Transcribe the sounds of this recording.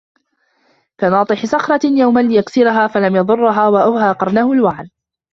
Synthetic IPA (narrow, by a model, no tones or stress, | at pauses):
kanɑːt̪ˤɨħɪsɑxɾˤɑjawmalɪjaksɪɾaɦaːfalamjɑðˤʊrˤːʊɦaːwaʔawɦaːqɑɾˤnahʊlwaʕl